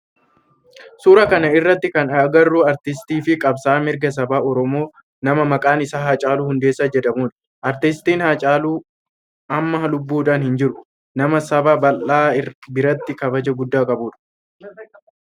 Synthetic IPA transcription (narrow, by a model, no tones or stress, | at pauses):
suːɾɐkɐnɐɪrːɐt̪ːɪkɐnɐɡɐrːuːɐɾt̪ɪst̪iːfɪkʼɐbsaːmɪɾɡɐs̬ɐbaːɔɾɔmo̞ː | nɐmɐmɐkʼaːnɪsaːhat͡ʃʼaːluːhʊnd̪eːsːad͡ʒɛᶑ̪ɐmuːn | ʔɐɾt̪ɪst̪iːnhat͡ʃʼaːluː | ɐmːɐɦɐlʊbːuːᶑaːnhɪnd͡ʒɪɾʊ | nɐmɐsɐbaːbɐlʔaːbɪɾɐt̪ːɪkɐbɐd͡ʒɐɡʊd̪ːaːkʼɐbuːᶑɐ̥